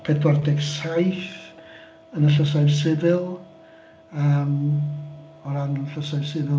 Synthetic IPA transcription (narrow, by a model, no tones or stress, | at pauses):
pʰɛdwardɛɡsajθ | ənəɬəsajvsɪvɪlˠ | əːm | ɔɾanəɬəsajvsɪvɪ